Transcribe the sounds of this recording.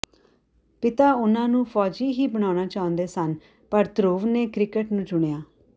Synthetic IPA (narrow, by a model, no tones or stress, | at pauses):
pɪt̪aːʊnãːnũːpʰɔːd͡ʒiːɦiːbəɽ̃aːɽaːt͡ʃaːʊə̃nd̪eːsən | pəɾt̪ɾoːʋneːkɾɪkəʈnũːt͡ʃʊɽ̃ejaː